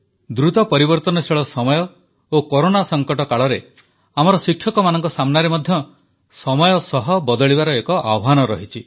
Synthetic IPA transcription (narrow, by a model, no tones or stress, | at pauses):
d̪ɾut̪ɔpɔɾibɔɾt̪ɔnɔsʰeɭɔsɔmɔjɔ | okoɾonasɔŋkɔʈɔkaɭɔɾe | amɔɾɔsikʰːjɔkɔmanɔŋkɔsamnaɾemɔd̪ʱjɔ | sɔmɔjɔsɔɦɔbɔd̪ɔɭibaɾɔekɔʔawɦanɔɾɔɦit͡ʃʰi